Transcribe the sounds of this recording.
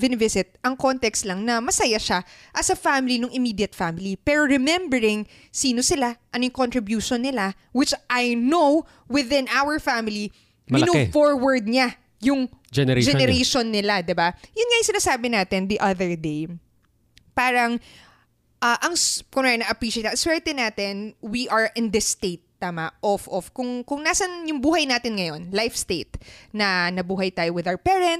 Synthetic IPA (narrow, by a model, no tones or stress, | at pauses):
vɪnɪvɪsɪt̪̚ʔɐŋko̞nt̪ɛkst̪lɐŋnɐmɐsɐjaʃaʔɐsɐfamɪlinʊŋʔɪmiːd̪jɐt̪̚famɪlipɛːɾo̞ɹɛmɛ̃mbɛɾɪŋ | siːno̞sɪlaʔɐnojʊŋkont̪ɾɪbjuːʃonːɪla | wɪt͡ʃʔajnow | wɪðɪ̃nʔawəɹfamɪli | mɪnofoɹwɐɹd̪̚ɲa | jʊŋd͡ʒɛnɛd͡ʒɛnɛɾejʃonːɪlad̪ɪbajʊnŋajʊŋsɪnaːsaːbɪnaːt̪ɛnd̪iʔɐðɛɹd̪ej | paːɾɐŋ | ʔɐʔɐŋskʊnanɐʔɐpɹiːʃejt̪ːɐswɛɹt̪ɛnaːt̪ɛnwiʔɐɹʔɪnd̪ɐst̪ejt̪ːaːmɐʔofʔɔfkʊŋkʊŋnaːsɐnjʊŋbuːhɐjnaːt̪ɪnŋɐjo̞nlajfst̪ejt̪nɐnɐbuːɦɐjt̪aːjowɪðawəpɛːɹɛnt̪̚